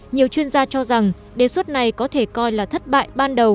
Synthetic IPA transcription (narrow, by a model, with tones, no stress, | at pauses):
ɲi˨˩əwt͡ɕwi˧ənzaː˧t͡ɕɔ˧za˨˩ŋ | ɗe˨˩swt̚na˨˩jkɔ˨˦t̪ʰe˧˩kɔ˧jlaː˨˩t̪ʰə˦˥t̚ɓa̰ː˧˨jɓaː˧nɗə˨˩w